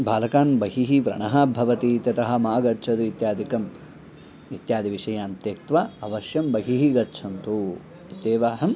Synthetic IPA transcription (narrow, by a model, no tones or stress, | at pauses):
bʱaːlɐkaːnbɐɦiɦiʋɾɐ̰ɳɐɦɐbʱɐʋɐt̪it̪ɐt̪ɐɦɐ̆maːɡɐt͡ʃʰɐd̪uit̪jaːd̪ʱikɐm | it̪jaːd̪iʋiʂɐjaːnt̪jeːkt̪ʋaɐʋɐʃjɐmbɐɦiɦiɡɐtːt͡ʃʰɐnt̪u | it̪eːʋaːɦɐm